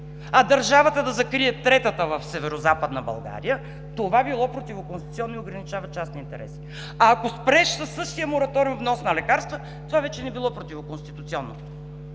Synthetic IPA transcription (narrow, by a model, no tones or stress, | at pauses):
ɐd̪ɐɾʒavət̪əd̪ɐzɐkɾiɛt̪ɾɛt̪ət̪əvɐfsɛvɛɾozapəd̪nəbɐ̰lˠɡa̰ɾijə | t̪ovabilˠɔpɾot̪ivokonst̪it̪siɔnːoioɡɾɐnit͡ʃavɐt͡ʃasnɛint̪ɛ̰ɾɛ̰si̥ | aːkospɾɛʃsɐsːɤʃt̪ijəmoɾɐt̪ɔɾivnɔsnɐlɛkaɾst̪və | t̪ovavɛt͡ʃɛnɛbilˠɔpɾot̪ʲivokonst̪it̪ut̪siɔnːo